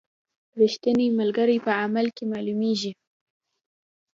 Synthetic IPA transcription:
ɾɪʃt̪ənimalɡaɾijpəamalkemalumeʒi

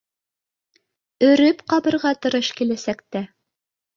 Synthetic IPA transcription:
ɵ̆ɾɵpqɑβɤ̆ɾʁɑt̪ɤ̆ɾɤʃkilæsæk̚t̪æ

